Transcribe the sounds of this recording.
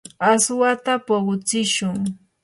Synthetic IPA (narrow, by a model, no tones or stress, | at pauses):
aswat̪apoɢʊt͡sɪʃʊŋ